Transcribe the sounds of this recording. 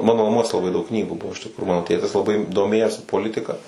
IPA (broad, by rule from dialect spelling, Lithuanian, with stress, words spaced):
ˈmɑːnoː nɐˈmuɔs lˠɐˈbɐɪ dɐʊk ˈknʲiːɡuː ˈbʊʋoː ɪʃ tʲɪkˈruː ˈmɑːnoː ˈtʲeːtʲɪs lˠɐˈbɐɪ doːˈmʲeːjoːsʲɪ poːˈlʲɪtʲɪkɐ